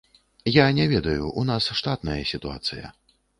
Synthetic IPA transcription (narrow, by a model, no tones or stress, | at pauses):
janʲɛvʲɛd̪ɐjuʔunasʂt̪at̪nɐjɐsʲit̪ua̰t̪sɨjɐ̰